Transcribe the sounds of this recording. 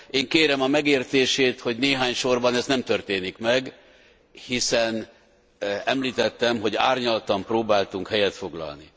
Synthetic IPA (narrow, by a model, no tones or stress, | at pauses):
ʔeːŋkeːɾɛmɒmɛɡeːrt̪eːʃeːt̪ho̞ɟneːɦaːɲʃo̞rbɒnɛznɛmt̪ørt̪eːnikmɛɡ | hisɛn | ɛmliːt̪ɛt̪ːɛmɦo̞ɟa̰ːrɲɒlt̪ɒmproːbaːlt̪uŋkhɛjɛt̪fo̞ɡlɒ̰lni